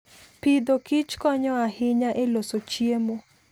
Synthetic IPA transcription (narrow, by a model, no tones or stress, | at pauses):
pɪd̪okɪt͡ʃkɔɲɔahɪɲaʔelosot͡ʃiemo